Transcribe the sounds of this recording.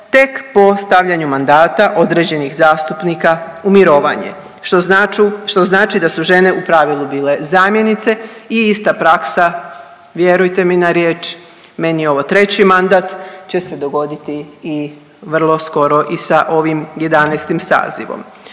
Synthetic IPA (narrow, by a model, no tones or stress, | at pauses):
t̪e̞kpo̞st̪aʋʎaɲumand̪aːt̪aʔo̞d̪ɾe̞d͡ʑe̞nixzaːst̪upnikaumiɾo̞ːʋa̰ɲḛ | oauʃt̪o̞znaːt͡ʃid̪asuʒe̞ne̞upɾaʋilˠubiːle̞zaːmje̞nit̪se̞iist̪apɾaksa | ʋje̞ɾujt̪e̞minaɾjeːt͡ʃ | me̞nio̞ʋot̪ɾe̞t͡ɕimand̪aːt̪t͡ɕe̞se̞d̪o̞ɡo̞d̪it̪iː | ʋr̩lˠo̞sko̞ɾo̞ʔisaʔo̞ʋimje̞d̪anejst̪imsa̰ːzḭʋo̰m